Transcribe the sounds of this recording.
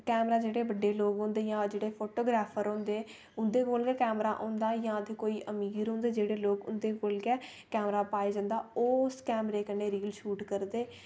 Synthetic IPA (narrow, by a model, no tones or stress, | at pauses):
kɛːmɾaːd͡ʒeːɽeːbəɖeːloːɡɦõːnd̪eːjãːd͡ʒeːɽeːpʰoːʈoːɡɾaːpʰəɾõːnd̪eː | ʊnd̪eːkoːlɡɛːkɛːmɾaːʔõːnd̪aːjãːət̪ʰeːkoːiːʔəmiːɾɦõːnd̪eːd͡ʒeːɽeːloːɡʊ̰nd̪eːkoːlɡɛː | kɛːmɾaːpaːed͡ʒãːnd̪aːoːskɛːmɾeːkəneːɾiːlʃuːʈkəɾd̪eː